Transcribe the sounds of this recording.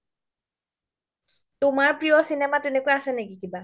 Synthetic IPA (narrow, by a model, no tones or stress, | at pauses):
tʊmaɹpɹiɔsinematenekuaasɛnekikiba